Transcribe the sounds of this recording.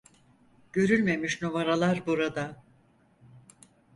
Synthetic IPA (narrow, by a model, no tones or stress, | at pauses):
ɟ̥ø̞ɾylʲme̞miʃnovaɾalˠaɾbuɾad̪a